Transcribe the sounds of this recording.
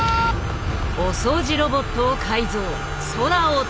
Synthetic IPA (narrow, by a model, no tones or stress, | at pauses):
osoːʑiɾobo̞t̪ːoːkʰaizoː | soɾao